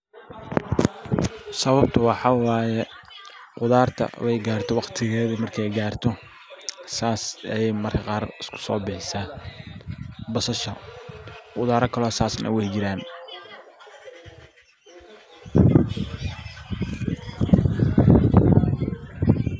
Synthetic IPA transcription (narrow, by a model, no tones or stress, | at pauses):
sɐβɐb̚t̪ʰɐwɑħɑwɑːjɛ | qʊðaːrt̪ʰɐ̰wɛjɡaːrt̪ʰɔwɑqt̪ʰɪɣɛːðɐmɐrkʰɛjɡaːrt̪ʰɔ | saːsɐjɛjmɐrkʰɐqɑːrɪskʰʊ̥sɔːbɪħɪsaː | bɐsɐʃɐ | qʊðaːɾɐkʰɐlɔːsaːsnɐ̰wɛjt͡ʃɪɾaːn